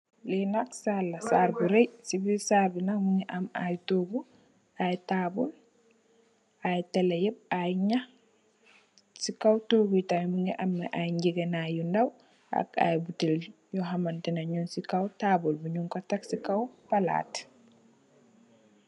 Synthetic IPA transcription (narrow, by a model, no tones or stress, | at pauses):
lɛnaksalːasaɾbuɾɛjsibisaɾbunamuŋɛʔama̰jtoɡu | ʔajɛtabɔl | ʔajtɛlɛjɛb̚ajɲa | sikawtoɡujtajmuŋɡɛʔamːɛʔajɲd͡ʒiɡɛnajundaw | a̰ka̰jɛbutɛl | jɔɦamantɛnaɲunsikawtabɔlbuɲuŋkɔtaksikawpala̰ːt